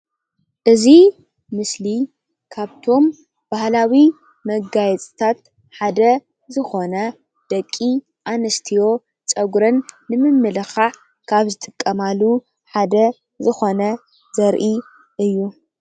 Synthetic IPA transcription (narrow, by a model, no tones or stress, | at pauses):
ʔɨzi | mɨsli | kʰaβt̪ʰo̞m | b̥ahlawi | mɐɡajɛt͡sʼt̪ʰat̪ | ħad̪ɐ | zɨxo̞nɐ | d̪̥ɐkʼːi | ʔanɨst̪ʰijo̞ | t͡ʃʼɐɡɾɨnːɨmɨmːɨlɨxaʕ | kʰaβzɨt̪ʼɨkʼːɐmalu | ħad̪ɐ | zɨxo̞nɐ | zɐɾʔi | ʔɨjːu